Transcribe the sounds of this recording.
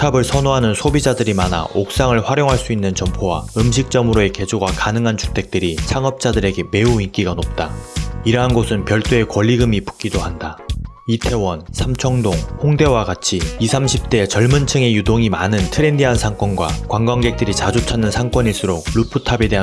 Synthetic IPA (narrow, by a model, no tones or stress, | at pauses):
tʰabɯɭsʰʌnoɦanɯnsʰobid͡ʑadɯɾimana̰ok̚s͈aŋɯɭɸwaɾjoŋɦaɭs͈uinːɯnt͡ɕʌmpʰowa̰ɯmɕ̬ʰik̚t͡ɕ͈ʌmɯɾoe̞ke̞d͡ʑoɡakanɯŋɦant͡ɕu̥tʰe̞k̚t͈ɯɾisʰaŋʌp̚t͡ɕ͈adɯɾe̞ɡe̞me̞uik͈iɡanop̚t͈aiɾʌɦanɡosʰɯnpjʌɭt͈ue̞kwʌʎːiɡɯmipu̥k͈idohanda | itʰe̞wʌnsʰamt͡ɕʰʌŋdoŋhoŋde̞wakat͡ɕʰiːsʰamɕʰip̚t͈e̞t͡ɕʌɭmɯnt͡ɕʰɯŋe̞judoŋimanɯntʰɯɾe̞ndiɦansʰaŋk͈ʌnɡwa̰kwaŋɡwaŋɡe̞k̚t͈ɯɾit͡ɕad͡ʑot͡ɕʰanːɯnsʰaŋk͈wʌɲiɭs͈uɾoɡ̚ɭupʰɯtʰabe̞de̞ɦa